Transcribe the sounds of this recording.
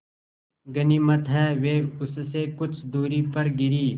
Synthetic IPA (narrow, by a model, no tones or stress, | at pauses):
ɡɐniːmɐt̪ɦɛːʋeːʊsseːkʊt͡ʃʰd̪uːɾipɐɾɡɪɾiː